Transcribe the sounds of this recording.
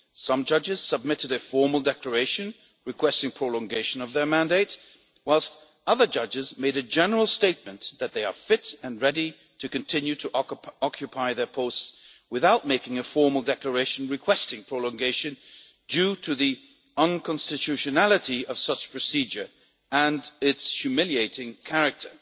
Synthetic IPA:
sʌ̃md͡ʒʌd͡ʒɨz̥səb̚mɪɾɨɾɨfɔɹml̩ˠdɛklə˞eɪʃɨ̃n | ɹɨkʰw̥ɛstɪ̃ŋpʰɹ̥olˠɔ̃ŋɡeɪʃɨ̃nʌvðə˞mæ̃ndeɪt̚ | waɪlˠst | ʌðə˞d͡ʒʌd͡ʒɨzmeɪɾɨd͡ʒɛnə˞l̩ˠsteɪt̚mɨ̃nðɨt̪̚ðeɪə̰˞fɪtɨ̃nɹɛɾi | ɾʰɨkɨ̃ntʰɪ̃njʉɾɨʔɑkʰjɨpʰaɪðə˞pʰoʊstswɨθaʊt̚meɪkɪ̃ŋɨfɔɹml̩ˠdɛklə˞eɪʃɨ̃n̩ɹɨkʰw̥ɛstɪ̃ŋpʰɹ̥lɔ̃ŋɡeɪʃɨ̃n | dʉɾɨði | ə̃nkʰɑ̃nstɨtʰʉʃɨnælˠəɾiʌv̥sʌt͡ʃpʰɹ̥ɨsid͡ʒə˞ | ə̃nɪtshjʉmɪlˠieɪɾɪ̃ŋkʰæɹɨk̚tʰə˞

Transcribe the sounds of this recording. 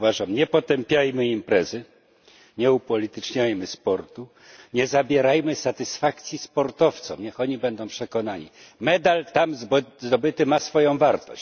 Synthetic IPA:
vaʐamɲɛpɔt̪ɛmpʲjajmɘimpɾɛzɘ | ɲɛupɔlʲit̪ɘt͡ʂɲajmɘspɔɾt̪u | ɲɛzabʲjɛɾajmɘsat̪ɘsfakt̪sʲjispɔɾt̪ɔft̪sɔ̃mɲɛxɔɲibɛnd̪ɔ̃w̃pʂɛkɔnaɲḭmɛd̪alt̪amzd̪ɔbɘt̪ɘmasfɔjɔ̃w̃vaɾt̪ɔ̰ɕ

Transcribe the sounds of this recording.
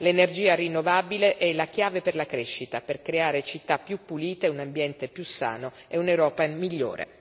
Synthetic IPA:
lenerd͡ʒiːarinːovaːbileʔɛlak̟jaːveperlakɾeʃːit̪aperkɾeaːɾet͡ʃit̪ːapːjupːuliːt̪eunambjɛnt̪epjusːa̰ːno | eunewɾɔːpamiʎːo̰ːɾḛ

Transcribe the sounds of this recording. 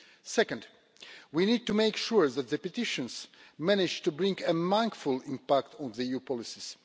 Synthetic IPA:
sɛkə̃nd | winid̚tumeɪkʃuɹðæt̪̚ðəpɛtɪʃə̃nz̥mænɪd͡ʒtubɹɪ̃ŋɡəmãŋkfulɪ̃mpækt̪ʰɔ̃nðiijupʰɔlɪsiz̥

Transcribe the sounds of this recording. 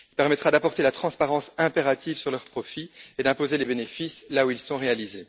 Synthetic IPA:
ilpɛʁmɛt̪χad̪apɔʁt̪elat̪χɑ̃spaʁɑ̃sɛ̃peʁat̪ʰivsyʁlœʁpχɔfied̪ɛ̃pozelebenefislauilsɔ̃ʁealize

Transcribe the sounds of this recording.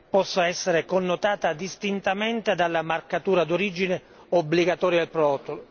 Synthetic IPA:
pɔsːaɛsːeɾekonːʊt̪aːt̪ad̪ist̪int̪ament̪ed̪alːamarkat̪uːɾad̪oɾid͡ʒinɪ | obːliɡat̪ɔːɾjalpɾɔːt̪ːol

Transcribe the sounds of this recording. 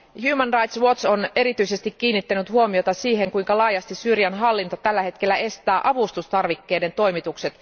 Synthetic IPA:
huːmænrɑjt̪swo̞t̪sone̞ɾit̪yise̞st̪ikːiːnːit̪ːænyt̪huomio̞t̪ɑsiːɦe̞ŋkujŋkɑlɑːjɑst̪isyrjænɦɑlːint̪o̞t̪ælːæhet̪ke̞lːæe̞st̪æːʔɑʋust̪ust̪ɑrʋikːe̞ːde̞nt̪o̞jmit̪ukse̞t̪

